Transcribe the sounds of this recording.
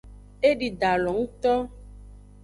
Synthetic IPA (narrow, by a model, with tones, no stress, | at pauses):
e˦ɖi˨ɖa˨lɔ˨ŋũ˦t̪ɔ˦